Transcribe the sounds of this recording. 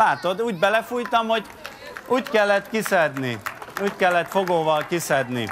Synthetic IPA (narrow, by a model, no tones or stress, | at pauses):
aːt̪o̞d̪uːɟbɛlɛfuːjt̪ɒmho̞ɟ | ʔuːckɛlːɛt̪kisɛd̪niuːckɛlːɛt̪foɡoːvɒlkisɛd̪nḭ